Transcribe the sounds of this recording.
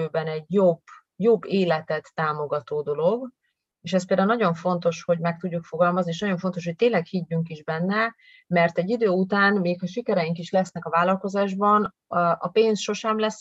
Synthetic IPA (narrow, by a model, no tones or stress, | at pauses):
øːbɛnɛɟjob | jobːeːlɛt̪ɛt̪ːaːmo̞ɡɒt̪oːd̪o̞lo̞ɡ | eːʃɛspeld̪aːunɒɟo̞ɱfo̞n̪t̪o̞ʃho̞ɟmɛk̚t̪uɟːukfoɡɒlmɒznieːʃnɒɟo̞ɱfo̞nt̪o̞ʃ̬ho̞c̚t̪eːnlɛkhiɟːyŋkiʒbɛnːɛ | mɛrt̪ɛɟːid̪øːut̪aːnmeːkhɒʃikɛɾɛjiŋkiʃlɛsnɛkɒvaːlɒlko̞zaːʒbɒn | ʔɒpeːnsʃo̞ʃɛmlɛs